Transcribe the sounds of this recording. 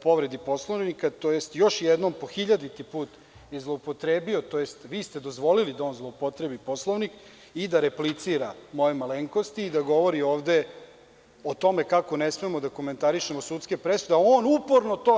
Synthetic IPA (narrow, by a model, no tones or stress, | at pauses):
upo̞ʋɾe̞d̪ipo̞slˠoʋnikat̪o̞je̞st̪jo̞ʃjɛd̪no̞mpo̞xiʎad̪it̪ipuːt̪ | jezlˠoopo̞t̪ɾeːbio̞t̪o̞jest̪ʋiːst̪e̞d̪o̞zʋo̞lilid̪ao̞ːnzlˠoopo̞t̪ɾebipo̞slˠoʋnik | id̪aɾeplit̪siɾamo̞jemaleŋkost̪iːd̪aɡo̞ʋo̞ɾio̞ːʋd̪e̞ | ot̪o̞me̞kakonesmemo̞d̪akome̞nt̪aɾiʃemosut̪skepɾesud̪eaonupoɾnot̪oː